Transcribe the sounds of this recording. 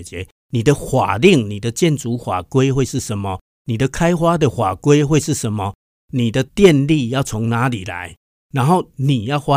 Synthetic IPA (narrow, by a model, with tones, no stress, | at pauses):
t͡ɕjɛ˨˦ | nĩ˨˩d̪ə˦xwa̰˨˩li˥˨ŋnĩ˨˩d̪ə˨t͡ɕjɛ˥˨nt͡su˨˦xwa̰˨˩kwe˦ɪxwe˥˧ɪʂɻ̩˥˩ʂə˨˦nmɔ˨ | nĩ˨˩d̪ə˨kʰa˦˥ɪxwa˦d̪ə˨xwa˨˩kwe˦xwe˥˧ɪʂɻ̩˥˨ʂə˨˦nmɔ˨ | nĩ˨˩d̪ə˨t̪jɛ˥˧nli˥˧ja˥˨˩ʊt͡sʰo˨˦ŋnã˨˦lḭ˨˩la̰˨˦ɪ | na˨˦nxo˥˩ʊnĩ˨˩ja˥˩˨ʊxwa˦